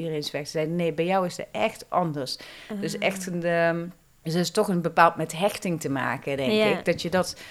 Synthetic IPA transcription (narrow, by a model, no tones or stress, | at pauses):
idərejnsfɛxtzɛjdnejbɛjɔwɪsdə̰ʔɛxtʔɑndəɹsdøsɛxtənə | ɪstɔχənbəpaːlˠtmɛtɦɛxtɪŋtəma̰ːkədɛŋɪɡdɑtjədɑt